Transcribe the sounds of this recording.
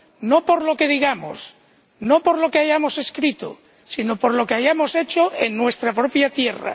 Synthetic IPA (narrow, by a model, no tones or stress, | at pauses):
nopo̞ɾlokeð̞iɣamo̰s | nopoɾlokeaʝamoseskɾit̪o̰ | sinopoɾlo̞keajamoset͡ʃoʔenːwe̞st̪ɾapɾopjat̪jera̰